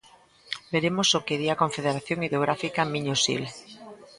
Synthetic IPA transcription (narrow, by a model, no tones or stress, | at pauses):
beɾemosokeðiakoɱfeðeɾaθjoŋiðoɣ̞ɾafikamiɲosḭl